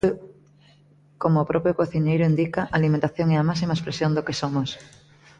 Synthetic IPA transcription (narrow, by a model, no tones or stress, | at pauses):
komoːpɾɔpjokoθiɲejɾʊind̪ikaʔaːlimẽnt̪aθjoŋeɐmasimaespɾesjond̪okesomos